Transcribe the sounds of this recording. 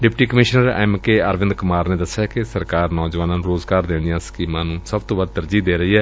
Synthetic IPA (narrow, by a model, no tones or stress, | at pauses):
ɖɪpʈiːkəmɪʃnəɾɛ̰ːmkeːəɾʋɪnd̪kʊmaːɾneːd̪əsːjaːkɪsəɾkaːɾnɔːzʋaːnãːnũːɾoːzɡaːɾd̪ẽːnd̪ijãːsə̥kiːmãːnũːsəb̚t̪oːʋəd̪̚t̪əɾd͡ʒiːd̪eːɾəɦiːɦɛː